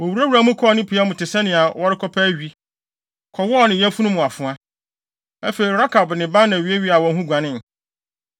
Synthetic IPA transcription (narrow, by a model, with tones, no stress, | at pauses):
wɔ˨wu˨ɾa˦wɾa˦mʊ̃˦kʰɔ˦nɪ̃˦pʰi˨a˦mʊ̃˨tɪ˨sɛ˦nɪ̃˨a˨wɔ˦ɾɪ˦kʰɔ˦pʰɛ˦ɥi˦ | kʰɔ˨wɔ˦˨nɪ̃˨jɛ˦fu˦nʊ̃˦mʊ̃˨a˨fʊ̃˨a˦ | æ˦fe˨ɾi˨ɾa˦kʰa˨bnɪ̃˨bã˦nã˨ɥi˨e˦ɥi˦a˨wɔ̃˨n˦ɦũ˦ɡʷã˨nɪ̃˦˨n˨